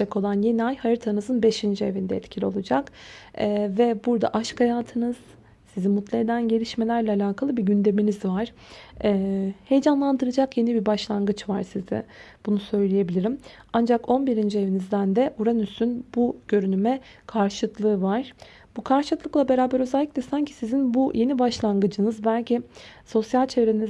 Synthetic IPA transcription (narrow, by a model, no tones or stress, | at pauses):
ɛko̞lˠanje̞niajhajɯɾt̪ʰanɯzɯnbe̞ʃind͡ʒie̞vind̪ɛɛt̪cʰilʲio̞lˠud͡ʒakː | vɛbuɾd̪a̰ʔaʃkhajaːt̪ʰɯnɯz̥ | sizimut̪lˠae̞d̪ænɟe̞lʲiʃme̞lʲæɾlʲɛalʲaːkʰalˠɯbiɟynd̪e̞minizvaɾ̥ː | he̞jd͡ʒanlˠand̪ɯɾɯd͡ʒakjenibibaʃlˠanɡɯt͡ʃvaɾsizɛ̰ | b̥unusø̞jlʲije̞bilʲiɾim | and͡ʒako̞nbiɾind͡ʒie̞vinizd̪ænd̪ɛʔuɾanysynbuɟ̥ø̞ɾynymɛ | kʰaɾʃklˠɯːvaɾ̥ | bukʰaɾʃlɯk̪lˠɯklˠabe̞ɾaːbæɾø̞zɛlʲːicʲlʲɛsaɲcʰi̥sizinbujʔe̞nibaʃlˠanɡɯd͡ʒɯnɯzbælʲciso̞sjalʲt͡ʃʰe̞vɾeniz